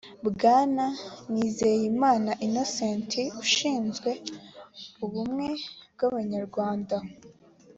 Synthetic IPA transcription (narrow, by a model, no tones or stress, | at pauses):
bɡaːnaniːzejimaːnaʔino̞seːntʰiuʃiːnzɡwe̞ | uβumŋe̞bɡaβaɲaɾɡwaːnda